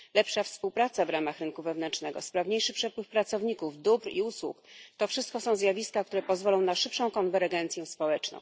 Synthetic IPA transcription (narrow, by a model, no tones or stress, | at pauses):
lɛpʂafspuwpɾat̪savɾamaxɾɘnkuvɛvnɛnt͡ʂnɛɡɔ̰spɾavɲejʂɘpʂɛpwɘfpɾat̪sɔvɲikuvd̪ubɾḭuswṵkt̪ɔfʂɘst̪̚kɔsɔ̃w̃zjavʲiskak̚t̪uɾɛpɔzvɔlɔ̃w̃naʂɘpʂɔ̃w̃kɔnvɛɾɡɛnt̪sʲjɛ̃spɔwɛt͡ʂnɔ̰̃w̃